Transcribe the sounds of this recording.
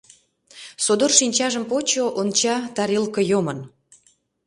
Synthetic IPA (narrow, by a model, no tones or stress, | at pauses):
sod̪orʃinʲt͡ɕɑʒə̆mpot͡ɕoʔont͡ɕɑt̪ɑɾilkɤ̆jomə̆n